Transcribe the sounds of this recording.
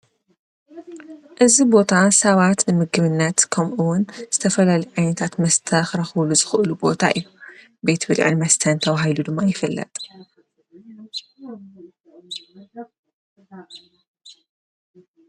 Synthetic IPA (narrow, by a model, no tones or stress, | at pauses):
ʔɨzibo̞t̪ʰasɐβat̪nɨmɨɡɨβɨnːɐt̪kʰɐmʔuwʊnzɨt̪ʰɐfɐlalijʕajnɐt̪ʰat̪mɐst̪ʰɐxɾɐxwluzɨxɨʔɨlubo̞t̪ʰa̰ʔɨjːu | bet̪bɨlʕɨ̰nmɐst̪ʰɐnt̪ʰɐβaɦajlud̪ɨmːajɪfɐlːɐ̰t̪ʼ